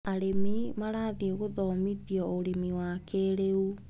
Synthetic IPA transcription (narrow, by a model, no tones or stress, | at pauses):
aɾemimaɾaːðiɣoðɔmiðjɔoɾemiwakʰeɾeu